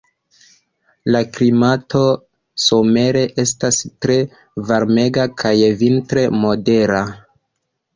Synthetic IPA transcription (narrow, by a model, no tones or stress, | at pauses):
laklimato̞ | some̞ɾe̞ʔe̞stastɾe̞ | vaɾme̞ɡakʰajvintɾe̞mo̞de̞ɾa